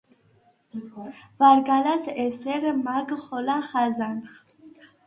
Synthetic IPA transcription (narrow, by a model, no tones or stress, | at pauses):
vaɾɡalaseseɾmaɡχɔlaχazanχ